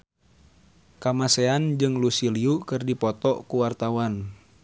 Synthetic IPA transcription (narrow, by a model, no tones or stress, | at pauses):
kamaseand͡ʒɨŋlusiliukɨrdipɔt̪ɔkuwart̪awan